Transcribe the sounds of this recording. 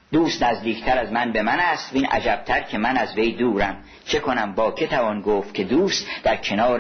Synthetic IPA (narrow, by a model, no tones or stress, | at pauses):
d̪uːst̪næzd̪iːkʰt̪ʰæɾæzmænbe̞mænæst̪viːnʔæ̰d͡ʒæb̥̚t̪ʰæɾcʰe̞mænæzve̞jd̪uːɾæm | t͡ʃʰe̞kʰo̞næmbɒːcʰe̞t̪ʰævɒnɡoːft̪̚cʰe̞d̪uːst̪d̪æɾcʰe̞nɒːɾ